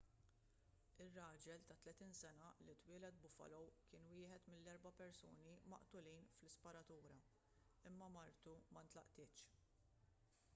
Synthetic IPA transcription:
ɪrːɐːd͡ʒɛlt̪ɐt̪lɛt̪iːnsɛnɐlit̪wɪːlɛt̪̚bʊfɐ̰lɔwkɪːnwɪːħɛt̪mɪlːɛɾbɐpɛɾsṵːnimɐ̰ʔt̪ʊliːnflɪspɐɾɐt̪uːɾɐ | ɪmːɐmɐɾt̪umɐnt̪lɐʔt̪ɪːt͡ʃ

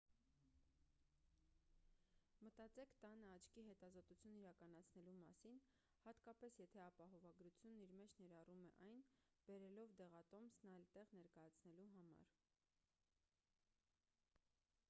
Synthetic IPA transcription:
mət̪ɑt͡sɛkʰt̪ɑnəɑt͡ʃʰkiɦɛt̪ɑzɔt̪ut͡sʰjunːiɾɑkɑnɑt͡sʰnɛlumɑsin | hɑt̪kɑpɛsjɛt̪ʰɛɑpɑɦɔvɑɡɾut͡sʰjunːiɾmɛt͡ʃʰnɛɾɑrumɛ̰ʔɑjnb̥ɛɾɛlɔvd̪ɛʁɑt̪ɔmsnɑjlt̪ɛʁnɛɾkɑjɑt͡sʰnɛluɦɑmɑ̰ɾ

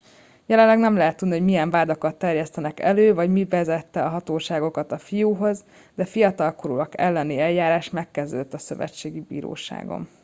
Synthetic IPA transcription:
jɛlɛnlːɛɡnɛmlɛɦɛt̪ːud̪nihoɟmiɛɱvaːd̪ɒkɒt̪ːɛrjɛst̪ɛnɛkɛ̰løːvɒɟmivɛzɛt̪ːɛɒɦɒt̪oːʃaːɡo̞kɒt̪ɒfijuːɦo̞z | d̪ɛfijɒt̪ɒlkoɾulɒkɛ̰lːɛniɛljaːɾaːʃmɛkːɛzd̪øːt̪ːɒsø̰vɛ̰t͡ʃːeːɡibḭːɾo̰ːʃa̰ːɡo̞̰n

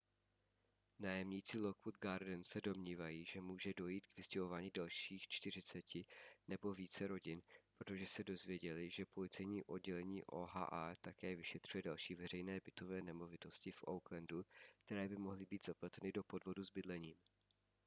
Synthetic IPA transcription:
naːjɛmɲiːt͡sɪlokvut̪ɡaɾdnsɛdo̞mɲiːvajiːʒɛmuːʒɛdo̞jiːt̪ɡvɪscɛɦo̞vaːɲiːdalʃiːxt͡ʃt̪ɪr̝ɪt͡sɛcɪnɛbo̞viːt͡sɛɾo̞ɟɪnpɾot̪oʒɛsɛdo̞zvjɛɟɛlɪʒɛpo̞lɪt͡sɛjɲiːʔo̞dɟɛlɛɲiːʔo̰ːɦa̰ːʔaːt̪akɛːvɪʃɛt̪r̝̥ujɛdalʃiːvɛr̝ɛjnɛːbɪt̪o̞vɛːnɛmo̞vɪt̪o̞scɪfʔowklɛnduk̚t̪ɛɾɛːbɪmo̞ɦlɪbiːt̪zaplat͡sɛnɪdo̞po̞dvo̞duzbɪdlɛɲiːm

